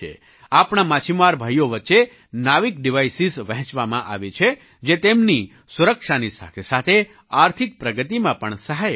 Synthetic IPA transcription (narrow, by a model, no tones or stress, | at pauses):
ḛ | apɳamãt͡ʃʰimaɾbʱajoʋətːʃe | naʋikɖiʋajsizʋəɦɛ̃t͡ʃʋamã̰ʔa̰ʋet͡ʃʰe | d͡ʒet̪emni | suɾəkʂanisa̰t̪ʰesat̪ʰe | aɾt̪ʰik̚pɾəɡət̪imãpəɳsəɦaj